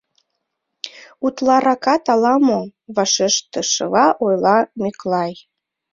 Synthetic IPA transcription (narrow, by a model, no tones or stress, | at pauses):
ut̪lˠɑɾɑkɑt̪ɑlɑmoβɑʃeʃt̪ə̆ʃəlɑʔojlɑmyklɑj